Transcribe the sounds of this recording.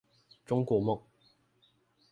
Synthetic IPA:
t͡sʊ˥ŋkʷɔː˧mʊ˨k̚

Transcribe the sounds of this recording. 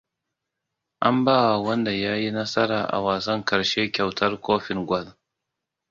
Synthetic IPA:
ʔa˦mbaː˦wa˨wɐ˦nda˨jaː˦ji˦nɐ˦sɐ˦ɾaː˨ʔa̰˨waː˨sɐ˦ŋkɐ˨ɾʃe˦kʲa˨wtʰɐ˦rkʷoː˦ɸɪ˨ŋɡʷɐ˦l

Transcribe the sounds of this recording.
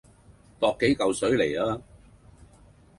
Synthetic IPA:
t̪ɔː˧kːe˨˥jkɐ˨wsɵ˨˥ɥle˨˩jaː˧˥

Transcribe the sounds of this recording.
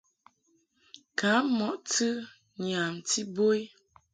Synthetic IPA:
ka˨˦mɔ˨ʔtɨ˦ | ɲa˨mti˦bo˦j

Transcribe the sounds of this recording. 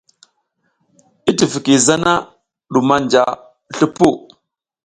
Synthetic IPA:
i˦ti˨vi˨ki˨za˦na˦ | ɗu˨ma˦nd͡ʒa˨ | ɬu˦pu˦˨

